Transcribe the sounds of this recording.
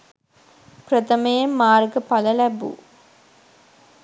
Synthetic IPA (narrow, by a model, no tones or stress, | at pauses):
pɾɐt̪ɐmejemːaːrɡɐpɐlɐlæbṵ